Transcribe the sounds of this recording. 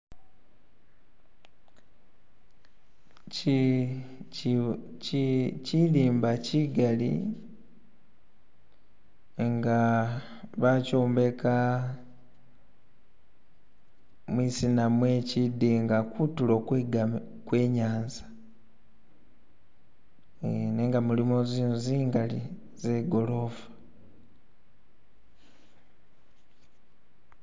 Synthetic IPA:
ciliːmbaciɡalḭ | ŋɡa | βacoːmbe̞ka | mwisinamwecidiŋɡakutulokɡ | kwe̞ːɲaːnzḁ | neŋɡamulimoziːnuziːŋɡali | z̥e̞ɡo̞lo̞vḁ

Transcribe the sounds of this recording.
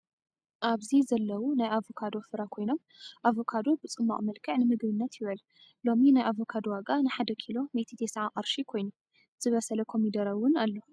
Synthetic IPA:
ʔaβzizɐlːɐwunajʔavokʰad̪o̞fɨɾakʰo̞jno̞m | ʔavo̞kʰad̪o̞bɨt͡sʼɨmːa̰χʼmɐlkʰɨʕnɨmɨɡβɨnːɐt̪jɪβɐl | lo̞minajʔavo̞kʰad̪waɡʼanɨħad̪ɐkʰilo̞met̪ʰit̪ʰesʕaqʼɐɾʃikʰo̞jnu | z̥ɨβɐsɐlɐkʰo̞mid̪ɐɾɐwʊnalːo̞

